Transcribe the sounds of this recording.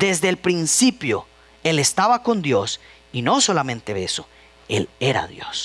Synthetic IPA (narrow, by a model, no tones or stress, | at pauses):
d̪ezd̪eːlpɾinsipjo | e̞le̞st̪aβako̞nd̪jo̞s | ino̞so̞lamẽ̞nt̪eβeso | e̞le̞ɾa̰ðjo̞̰s